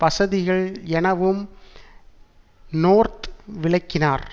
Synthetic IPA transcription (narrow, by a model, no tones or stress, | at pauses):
pɐsɐðɪɣɐɭɛnɐʋɯm | noːɾt̪ʋɪɭɐɪkːɪnaːɾ